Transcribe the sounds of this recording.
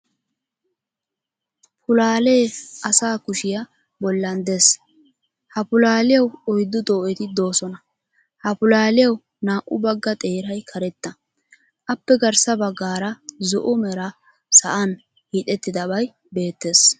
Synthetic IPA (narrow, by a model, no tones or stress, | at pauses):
pʰʊlaːleːʔɐsaːkʊʃɪjɐ | bɔlːɐnd̪e̞ːs | hɐpʊlaːlɪjɐwɔjd̪ːʊd̪oːʔɛt̪ɪd̪o̞ːsɔnɐ | hɐpʊlaːlɪjɐw | naːʔʊbɐɡːɐt̪ʼe̞ːɾɐjkʰɐɾɛt̪ːɐ | ʔɐpːɛɡɐɾsɐbɐɡːaːɾɐzɔʔʊmɛɾɐ | sɐ̰ʔɐn | hiːt̪ʼɛt̪ːɪd̪ɐbɐj | be̞ːt̪ːe̞ːs